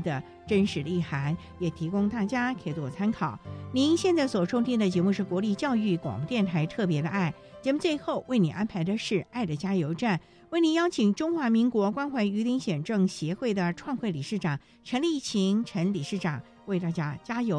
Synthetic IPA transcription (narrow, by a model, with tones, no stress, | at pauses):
d̪ə˨ | ʈ͡ʂə˥nʂɻ̩˧˥li˥˩xa˧˥n | jɛ˨˩t̪ʰi˧˥kʊ˥ŋt̪a˥˩t͡ɕja˥kʰe˥ɪt̪ɔ˥˩t͡sʰa˥nkʰɑ˨˩˦ʊni˧˥nɕjɛ˥˧nt͡sa˥˩ɪswɔ˨˩ʈ͡ʂʰʊ˥ŋt͡ɕʰi˥nd̪ə˨t͡ɕjɛ˧˥mu˥˧ʂɻ̩˥˩kwɔ˧˥li˥˧t͡ɕjɑ˥˧ʊy˥˩kwɑ̰˨˩ŋpu˧˥t̪jɛ˥˩nt̪ʰa˧˥ɪt̪ʰɤ˥˩pjɛ˧˥d̪ə̰˧a˥˩ɪ | t͡ɕjɛ˧˥mu˥˧t͡swe˥˧ɪxo˥˧ʊwe˥˩ɪni˨˩ʔa˥npʰa˧˥ɪd̪ə˧ʂɻ̩˥˧a˥˩ɪd̪ə˩t͡ɕja˥jo˧˥ʊʈ͡ʂa˥˩n | we˥˩ɪni˧˥njɑ˥ʊt͡ɕʰi˨˩ŋʈ͡ʂʊ˥ŋxwa˧˥mi˧˥ŋkwɔ˧˥kwa˥nxwa˧˥ɪy˧˥t̪i˧˥ŋɕjɛ˨˩nʈ͡ʂɤ˥˩ŋɕjɛ˧˥xwe˥˩ɪd̪ə˩ʈ͡ʂʰwɑ˥˧ŋxwe˥˩ɪli˨˩ʂɻ̩˥˩ʈ͡ʂɑ˨˩ŋ | ʈ͡ʂʰə˧˥ŋlə˧i˥˩t͡ɕʰi˧˥ŋʈ͡ʂʰə˧˥nli˨˩ʂɻ̩˥˩ʈ͡ʂɑ˨˩˦ŋ | we˥˧ɪt̪a˥˩t͡ɕja˥t͡ɕja˥jo˧˥ʊ